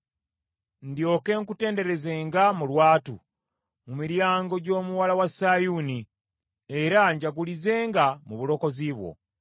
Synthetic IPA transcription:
ndjo̞ːke̞ŋkute̞ːnde̞ɾe̞ze̞ːŋɡamulwaːtṵ | mumiɾjaːŋɡo̞ɟo̞ːmuwalawasajuni | e̞ɾaɲɟaɡulize̞ːŋɡamuβulo̞ko̞ziβwo̞̰

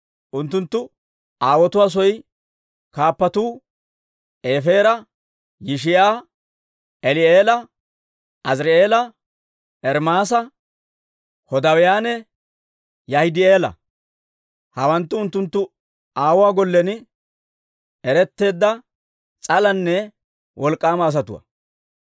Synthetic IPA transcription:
ʔʊnt̪ːʊnt̪ːʊ | ʔaːwɔt̪ʊwaːs̬ɔj | kaːpːɐt̪uː | ʔeːfe̞ːɾɐ | jɪʃ̬ɪjaː | ɛlɪeːlɐ | ʔɐsɾɛeːlɐ | ʔɛɾmaːs̬ɐ | hɔd̪ɐwɪjaːnɛ | jɐhɪd̪ɪeːlɐ̰ | hɐwɐnt̪ːʊʊnt̪ːʊnt̪ːʊ | aːwaːɡɔlːɛn | ɛɾɛt̪ːe̞ːd̪ːɐ | t͡sʼɐlɐnːɛ | wʔɔlkʼːaːmɐːs̬ɐt̪ʊwɐ̰

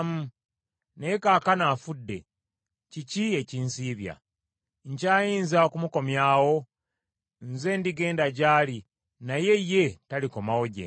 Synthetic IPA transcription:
mu | ne̞kaːkanaːfudːe̞̰ | cicie̞ciːnsiːβja̰ | ɲcaːjiːnzaokumuko̞mjaːwo̞ | nze̞ːndiɡe̞ːndaɟaːli | naje̞jːe̞taliko̞mawo̞ɟḛ

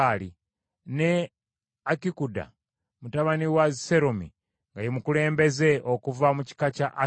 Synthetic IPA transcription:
ali | ne | akikuda̰ | mutaβaniwazise̞ɾomḭ | ŋɡajemukule̞ːmbe̞ze̞ʔokuvamuci̥kacaʔa

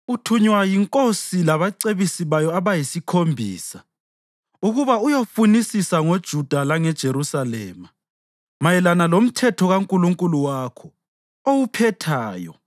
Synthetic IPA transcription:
utʰuɲwajiŋkʼosilaβaǀeβisiβajɔaβajisikʰombʱḭːsa | uɣuβaujofunisisaŋod̥ʒ̥ʱud̥ʱalaŋɛd̥ʒ̥ʱeɾusalɛ̰ːma | majɛlanalom̩tʰɛtʰɔɣaŋkʼuluŋkʼuluwakʰɔ | owupʰɛtʰaːjɔ̰

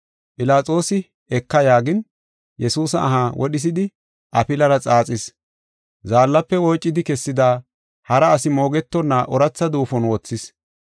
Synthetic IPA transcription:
pʼɪlaːt͡sʼo̞ːsɪ | ɛkːɐjaːɡɪn | jɛsuːsɐ̰ːɦaːwʔɔɗɪs̬ɪd̪ɪ | ʔɐpɪlɐɾɐt͡sʼaːt͡sʼɪs | zaːlːɐpːɛwɔjt͡ʃʼːɪd̪ɪkɛsːɪd̪aː | hɐɾɐːsɪmo̞ːɡɛt̪ːɔnːɐʔɔɾɐt͡sːɐd̪uːfɔnwɔt͡sːɪs

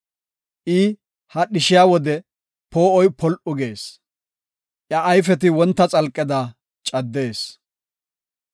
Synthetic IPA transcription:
ʔɪ | hɐɗɪʃɪjawɔd̪ɛ | poːɔjpɔlʔʊɡe̞ːs | ʔjɐʔːjf̬ɛt̪ɪwɔnt̪ːɐt͡sʼɐlkʼːɪd̪a | t͡ʃʼɐd̪ːe̞ːs

